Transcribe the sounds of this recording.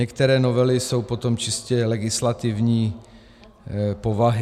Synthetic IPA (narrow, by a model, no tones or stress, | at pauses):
ɛkt̪ɛɾɛːnovɛlɪso̞wpo̞t̪o̞mt͡ʃɪscɛlɛɡɪslat̪ɪvɲiː | povaɦɪ